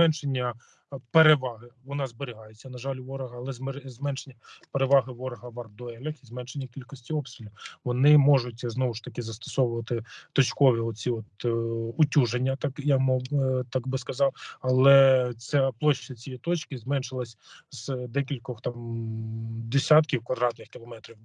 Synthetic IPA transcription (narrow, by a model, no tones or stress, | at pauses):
mɛnʃenʲːɐ | peɾeʋɑɦɪʋɔnɑzbeɾʲɪɦɑjet͡sʲːɐnɐʒɑlʲʊʋɔɾɔɦɐːlˠɛzzmɛnʃenʲːɐpeɾeʋɑɦɪʋɔɾɔɦɐʋɐrd̪ɔɛlʲɐxizmɛnʃenʲːɐkʲilʲkɔsʲtʲiɔpst̪ɾʲɪlʲɐʋɔnɪmɔʒʊtʲznɔʋʊʃt̪ɐkɪzɐst̪ɔ̥sɔʋʊʋɐt̪ɪt̪ɔt͡ʃkɔʋʲiɔt͡sʲiɔt̪ʊtʲuʒenʲːɐt̪ɑkjakmɔt̪ɑkbɪskɐzɑwɐlˠɛt͡sʲaplˠɔʃːɐt͡sʲijit̪ɔt͡ʃkɪzmɛnʃɪlˠɐsʲz̥d̪ɛkʲilʲkɔxt̪ɑm | d̪esʲat̪kʲiwkʋɐd̪ɾɑt̪nɪxkʲɪlˠɔmɛt̪ɾʲiw